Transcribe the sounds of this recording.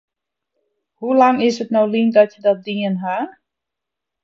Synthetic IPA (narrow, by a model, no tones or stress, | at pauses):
hulaŋɪsətnawlindɔtjədɔt̚diənɦa